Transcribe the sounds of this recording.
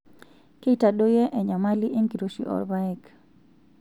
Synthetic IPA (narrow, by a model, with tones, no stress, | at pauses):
ke˦i˦ta˨do˦jɛ˦ʔɛ˨ɲa˨ma˦li˦ʔe˦ŋki˨ɾo˨ʃḭ˨ʔɔ̰˨ɾba˦ɛ˦k